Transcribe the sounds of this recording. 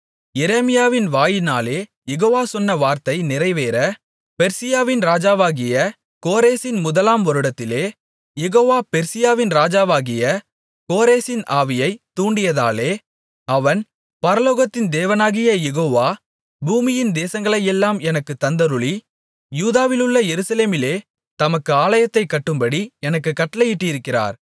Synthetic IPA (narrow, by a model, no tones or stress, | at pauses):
jɛɾeːmɪjaːʋɪnʋaːjɪnaːleː | jɛɣoːʋaːsɔnːɐʋaːɾt̪ɐɪnɪɾɐɪʋeːɾɐ | pɛɾsɪjaːʋɪnɾaːd͡ʒaːʋaːɣɪjɐ | koːɾeːsɪnmʊðɐlaːmʋɐɾɯɽɐt̪ːɪleː | jɛɣoːʋaːpɛɾsɪjaːʋɪnɾaːd͡ʒaːʋaːɣɪjɐ | koːɾeːsɪnʔaːʋɪjɐɪt̪ːuːɳɖɪjɐða̰ːleː | ɐʋɐn | pɐɾɐloːɣɐt̪ːɪnd̪eːʋɐnaːɣɪjɐjɛɣoːʋaː | buːmɪjɪnd̪eːsɐŋɡɐɭɐjɛlːaːmɛnɐkːɯt̪ːɐnd̪ɐɾʊɭi | juːðaːʋɪlɯɭːɐjɛɾɯsɐleːmɪleː | t̪ɐmɐkːɯaːlɐjɐt̪ːɐɪkːɐʈːɯmbɐɽiɛnɐkːɯkːɐʈːɐlɐjɪʈːɪɪɾɯkːɪra̰ːɾ